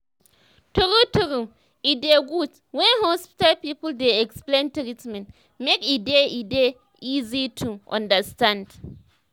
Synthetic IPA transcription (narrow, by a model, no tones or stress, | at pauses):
tuɾutuɾu | ideɡud | wɛ̃nhɔspi̥talpipəldeɛksplẽntɾitmɛ̃nt | mekideide | izitʰuʔɔ̰̃ndəstãnd